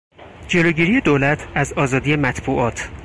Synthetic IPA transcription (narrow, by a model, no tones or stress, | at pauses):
d͡ʒe̞loɟiːɾijed̪oːlæt̪ʰæzɒːzɒːd̪ije̞mæt̪ʰbuːʔɒːt̪ʰ